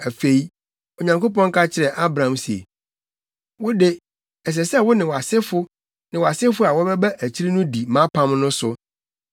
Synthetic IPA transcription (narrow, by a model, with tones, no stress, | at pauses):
æ˨fe˨i˦ | o˨ɲã˨ŋko˦pɔ̃˦ŋ˦kʰa˦t͡ɕʰɪ˨ɾɛ˨ʔa˦bɾã˨ã˨msi˨ḛ˨ | wʊ˦de˦ | ɛ˨s̬ɛ˨sɛ˦wʊ˦nɪ̃˨wɔ˨a˨sɪ˦fʊ˦ | nɪ̃˨wɔ˨a˨sɪ˦fʊ˦a˨wɔ˦bɛ˦bɛ˦ʔæ˨t͡ɕʰi˦ɾi˦nʊ̃˦di˨mã˦pʰã˦m˦nʊ̃˦sʊ˦